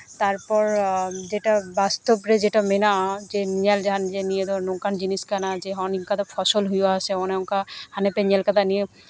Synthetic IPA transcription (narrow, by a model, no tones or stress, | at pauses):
t̪aɹpɔɹd͡ʒeʈabast̪ɔpɹɛd͡ʒeʈamenazeniɛld͡ʒaand͡ʒenijed̪ɔnɔkand͡ʒiniskanazeɦɔninkat̪ɔpʰɔsɔlɦujasɛɔnɛʊŋkahanɛpɛniɛlkat̪anije